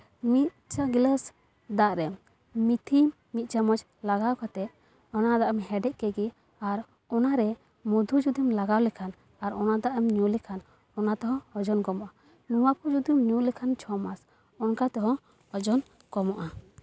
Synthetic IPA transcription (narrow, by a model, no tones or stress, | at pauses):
mit̪̚t͡ʃaɡiləs | d̪aʔɾɛ | mit̪ʰimːit̪̚ˀt͡ʃamɔd͡ʒ | laɡawkat̪ɛʔ | ɔnad̪aʔɛmɦɛɖɛʔkɛɡi | aɾ | ɔnaɾɛ | mud̪ʱud͡ʒud̪imlaɡawlɛkʰan | aɾɔnad̪aʔɛmɲulɛkʰan | ɔnat̪ɔɦɔ̃hɔd͡ʒɔnɡɔmɔʔa | nuwakud͡ʒud̪imɲulɛkʰant͡ʃʰɔmas | ɔnkat̪ɔɦɔ̃ | hɔd͡ʒɔn | kɔmɔʔa